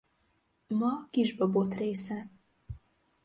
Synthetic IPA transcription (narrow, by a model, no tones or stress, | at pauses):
mɒkiʒbɒbot̪reːsɛ